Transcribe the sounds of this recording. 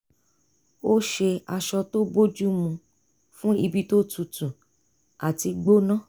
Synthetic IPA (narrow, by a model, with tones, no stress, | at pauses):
o˦ʃe˧a˧ʃɔ˧to˦bo˦d͡ʒu˦mũ˧ | fũ˦i˧bi˦to˦tu˨tũ˨ | a˨ti˧ɡ͡bo˦nã˦